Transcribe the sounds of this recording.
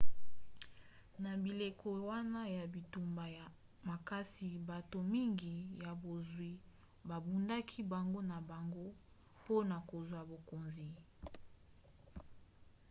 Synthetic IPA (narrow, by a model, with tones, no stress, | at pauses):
na˨bi˨le˨kʰo˨wa˦na˦ja˨bi˨tu˨mba˨ja˨ | ma˨ka˦si˨ba˨to˨mi˦ŋɡi˨ja˨bo˨zwi˨ | ba˨bu˨nda˦kʰi˦ba˨ŋɡo˦na˨ba˨ŋɡo˦ | po˦na˨ko˨zwa˨bo˨ko˨nzi˨